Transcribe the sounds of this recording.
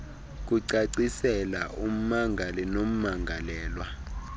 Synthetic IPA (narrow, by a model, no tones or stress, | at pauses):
k̬ʼuǀaǀisɛla̰ʔum̩maŋɡʱalɛnom̩maŋɡʱalɛːlwa